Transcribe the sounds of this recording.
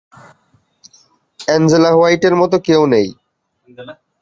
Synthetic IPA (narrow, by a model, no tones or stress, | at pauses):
ɛnd͡ʑelaɦoajʈeɾmɔt̪okewnej